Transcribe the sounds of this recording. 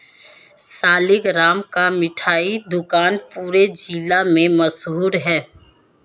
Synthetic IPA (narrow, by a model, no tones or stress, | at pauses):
saːlɪɡɾaːmkamɪʈʰaːid̪ʊkaːnpuːɾed͡ʒilamẽməsɦuːɾɦɛː